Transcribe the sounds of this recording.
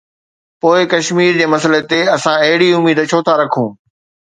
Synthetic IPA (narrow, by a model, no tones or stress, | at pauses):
poːɪkɐʃmiːɾd͡ʑeːmɐsəlet̪eɐsãɐɦɪɽiʊmiːd̪t͡ɕʰoːt̪ʰaɾɐkʰũː